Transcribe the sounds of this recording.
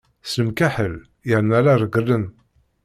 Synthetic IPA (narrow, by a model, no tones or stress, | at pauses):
sləmkæħəl | jəɾnælaɾˤəɡəlːən